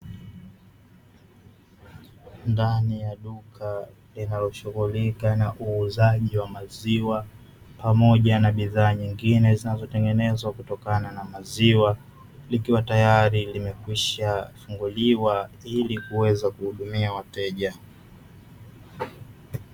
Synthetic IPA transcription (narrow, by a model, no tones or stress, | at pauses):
ndanijaɗukʰa | linalɔʃuɣulikanaʔuːzaʄiwamaziwa | pamɔʄanaɓiðaːɲiŋɡinɛzinazɔtɛŋɡɛnɛzwakutɔkananamaziwa | likiwatajaɾilimɛkwiʃafuŋɡuliwailikuwɛzakuhuɗumiawatɛʄa